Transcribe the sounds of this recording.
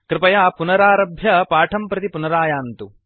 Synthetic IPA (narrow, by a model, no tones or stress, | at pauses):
kɾɪpɐjaːpunɐɾaːɾɐbʱjɐpaːʈʰɐmpɾɐt̪ipunɐɾaːjaːnt̪u